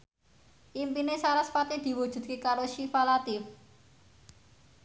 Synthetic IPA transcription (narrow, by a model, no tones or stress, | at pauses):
ʔimpinesaɾasfat̪id̪̥i̤wud̥ʒ̥ṳd̪̚kekaɾoʃifalat̪ɪf